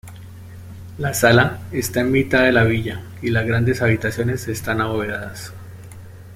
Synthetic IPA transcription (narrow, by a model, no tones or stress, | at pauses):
lasalaest̪aenmit̪aðe̞laβiʝa | ilazɡɾand̪e̞saβit̪asjo̞ne̞sest̪anaoβeaðas